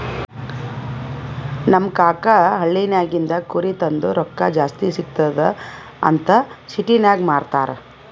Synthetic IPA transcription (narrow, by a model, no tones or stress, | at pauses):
nɐmːkaːkɐɦɐɭːinaːɡind̪ɐkuɾit̪ɐnd̪uɾɔkːɐd͡ʒaːst̪isikt̪ɐd̪ | ɐ̰nt̪ɐsiʈinaːɡmaːɽt̪a̰ːɾe